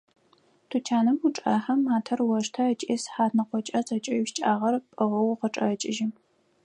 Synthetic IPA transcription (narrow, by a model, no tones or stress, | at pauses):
tʰut͡ʃʰaːnɨmuʈ͡ʂʼaːħɐmːaːtʰɐrwɐʂtʰɐɐt͡ʃʼeːsħaːtnɐqʷɔt͡ʃʼɐt͡sʼɐt͡ʃʼɐʃt͡ʃʼaːʁɐrpʼɨʁɐwqəʈ͡ʂʼɐ̰t͡ʃʼɪʒɪ